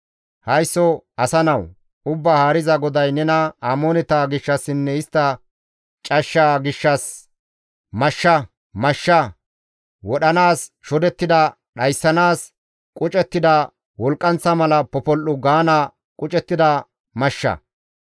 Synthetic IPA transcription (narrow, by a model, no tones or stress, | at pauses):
hɐjsːɔɐsɐnɐw | ʊbːaːhaːɾɪzɐɡɔd̪ɐjnɛnɐaːmoːnɛt̪aːɡɪʃːɐsːɪnːɛɪst̪ːɐ | t͡ʃʼɐʃːaɡɪʃːɐs | mɐʃːɐ | mɐʃːɐ | wɔɗɐnaːs | ʃɔd̪ɛt̪ːɪd̪ɐ | ɗɐjsːɐnaːs | kʼʊt͡ʃʼɛt̪ːɪd̪ɐ | wɔlkʼːɐnt͡sːɐmɐlɐpɔpɔlʔːʊɡaːna | kʼʊt͡ʃʼɛt̪ːɪd̪ɐ | mɐʃːɐ̰